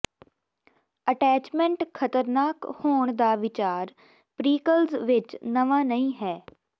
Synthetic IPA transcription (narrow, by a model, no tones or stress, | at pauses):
əʈɛːt͡ʃmɛ̃ɳʈkʰət̪əɾnaːkhoːɳ̃d̪aːʋɪt͡ʃaːɾ | pɾiːkəlzʋɪt͡ʃnəʋaːnəĩːɦɛː